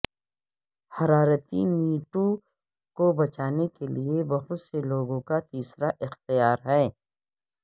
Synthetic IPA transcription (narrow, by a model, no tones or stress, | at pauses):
hɐɾaːɾət̪imiːʈõ | kobɐt͡ʃaːnekeliebɐɦʊt̪seloːɡõkat̪iːsɾaʔɪxt̪ijaːɾɦɛː